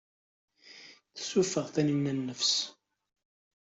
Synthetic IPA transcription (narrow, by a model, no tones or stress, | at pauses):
θsufəʁθænənːænːəfs